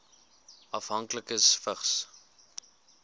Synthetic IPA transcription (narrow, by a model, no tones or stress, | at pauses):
ʔɐfɦɐŋkləkəsfəχs